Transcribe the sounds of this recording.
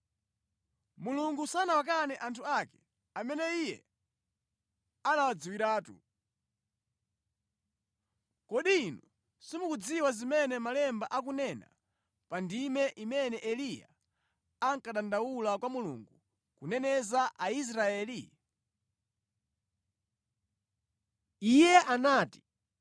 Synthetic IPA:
muluŋɡusanawak̬anɛʔantʰuakɛ̥ | amɛnɛijɛ̰ | anawad͡ziwiɾaːtṵ | kɔɗinu | simukud͡ziwazimɛnɛmalɛmbaʔak̬unɛna̰ | pandimɛʔimɛnɛʔɛlija̰ | aŋkaɗandawulakwamulṵŋɡu | kunɛnɛzaʔais̬ɾaɛːli | ijɛʔanaːti̥

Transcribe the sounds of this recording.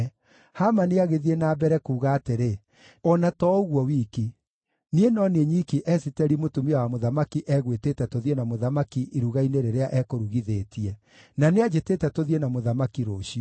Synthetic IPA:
hamaneaɣeðienabɛɾɛkuːɣaːteɾe | ɔnatɔoɣwɔwiki | nienɔneɲikiʔɛsitɛɾimotumiawamoðamakiʔɛɣweteːtɛtoðienamoðamakiʔiɾuɣaineɾeɾeaʔɛkoɾuɣiðeːtiɛ | nanead͡ʒetetɛtoðienamoðamakiɾoɕiɔ

